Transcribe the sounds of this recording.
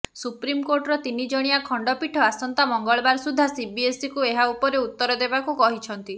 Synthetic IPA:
supɾimkoɾʈɾɔt̪inid͡ʒɔɽ̃iakʰɔɳɖɔpiʈʰɔasɔnt̪amɔŋɡɔɭɔbaɾsud̪ʱːasibiesikueɦaupɔɾeut̪ːɔɾɔd̪ebakukɔɦit͡ʃʰɔnt̪i

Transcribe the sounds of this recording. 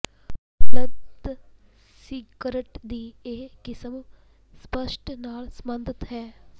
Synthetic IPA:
ləd̪ | sikəɾəʈd̪iːeːkɪsəm | spəʃʈnaːlsəmənd̪ʱɪt̪ɦɛː

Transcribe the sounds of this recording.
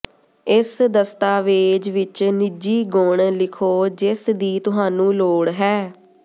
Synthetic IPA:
ɪsd̪əst̪aːʋeːd͡ʒʋɪt͡ʃnɪd͡ʒiːɡʊːɳlɪkʰoːd͡ʒɪsd̪iːt̪ʊɦaːnũːloːɽɦɛː

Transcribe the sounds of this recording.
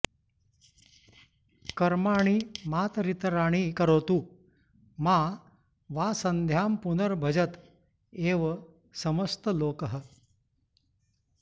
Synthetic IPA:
kəɾmaɽ̃iːmat̪ɾit̪ɾaɽ̃iːkəɾot̪uː | ma | ʋasənd̪ʱjampunəɾbʱəd͡ʑət̪ | eʋə | səməst̪əloːkəɦə

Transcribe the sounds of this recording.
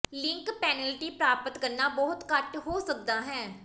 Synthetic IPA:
lɪŋkpɛːnəlʈiːpɾaːpət̪kəɾnaːbɔːʊt̪kəʈɦoːsək̚d̪aːɦɛ̃ː

